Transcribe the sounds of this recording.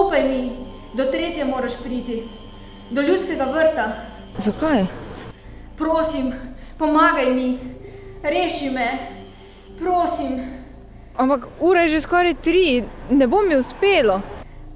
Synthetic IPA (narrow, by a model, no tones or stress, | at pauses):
upajmi | d̪ɔt̪ɾeːt̪jɛmoːɾaʃpɾiːt̪i | d̪ɔljuːt̪skɛɡaʋəɾt̪a | zakaj | pɾoːsimpɔmaːɡajmi | ɾeːʃimɛ | pɾoːsim | ampakuːɾajʒeskɔːɾajt̪ɾinɛbomiʊspeːlɔ